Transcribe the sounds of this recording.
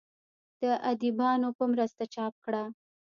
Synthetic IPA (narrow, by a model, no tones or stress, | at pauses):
d̪̥əʔad̪ibɑnopəmɾəst̪at͡ʃɑp̚kɽa